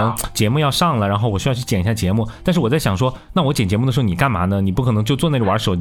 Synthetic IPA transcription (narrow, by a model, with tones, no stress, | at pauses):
t͡ɕjɛ˧˥mu˥˧jɑ˥˧ʂɑ˥˩ŋlə˩ɻa˧˥nxo˥˩ʊwɔ˨˩ɕy˥jɑ˥˧ʊt͡ɕʰy˥˩t͡ɕjɛ˨˩ni˧˥ɕa˥˩t͡ɕjɛ˧˥mu˥˩t̪a˥˧nʂɻ̩˥˩wɔ˨˩t͡sa˥˩ɪɕjɑ˨˩ŋʂwɔ˥na˥˩wɔ˧˥t͡ɕjɛ˨˩nt͡ɕjɛ˧˥mu˩ə˩ʂ̩˧˥˩ni˨˩ka˥˩nma̰˧˥nə˧ni˨˩pu˥˩kʰɤ˨˩nɤ˧˥ŋt͡ɕjo˥˧ʊt͡swɔ˥˧ne˥˩ɡə˩wa̰˧˥ʂo˨˩ʊ